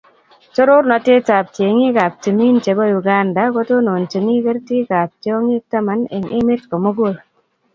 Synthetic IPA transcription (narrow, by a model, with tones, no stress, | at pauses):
t͡ʃo˦ɾo˦ɾnɔ˨te˦ta˨p̚tje˨ŋi˦ka˨p̚ti˨mi˦nt͡ʃe˨bɔ˦ju˨ɡa˦nda˨˦ko˦to˦no˨nt͡ʃe˨ni˦kɛ˦ɾti˦ka˨p̚tjɔ˦ŋɪ˦k̚ta˦ma˨ne˨ŋɪ˦mɪ˦tkɔ˨mo˦ɡo˦˨l